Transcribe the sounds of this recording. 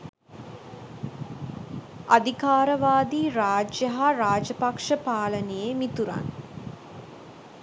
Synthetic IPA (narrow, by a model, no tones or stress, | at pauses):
ad̪ikaːɾəʋaːd̪iːɾaːd͡ʒjəɦaɾaːd͡ʒɐpakʂəpaːlənejemit̪uɾa̰n